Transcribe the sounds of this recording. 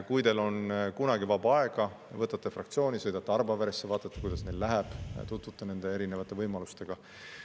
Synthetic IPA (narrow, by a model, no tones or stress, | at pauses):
kujt̪e̞lo̞nkunɑɡivɑbɑeɡ̥ɑ | vɤt̪ːˑɑt̪ːˑefrɑkt̪sio̞ːnʲisɤ̞jd̪ɑt̪ːeɑrbɑvæɾesːevɑːt̪ːˑɑt̪ːe̥kujd̪̥ɑsne̞jllæɦeb̥t̪ut̪vut̪ːˑɑne̞nd̪̥e̞e̞ɾine̞vɑt̪ːˑe̞vɤjmɑlust̪e̞ɡ̥ɑ